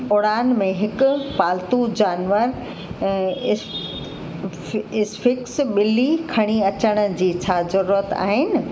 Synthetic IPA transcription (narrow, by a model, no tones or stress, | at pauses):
ʊɽaːnmẽɦɪkʊ̆paːlt̪ud͡ʑaːnʋəɾ | ɪ | ɪsfɪksɓɪlikʰɐɽ̃iɐt͡ɕəɽ̃ə̆d͡ʑiːt͡ɕʰaːzɐɾuːɾət̪a̰ːɦɪnɪ̆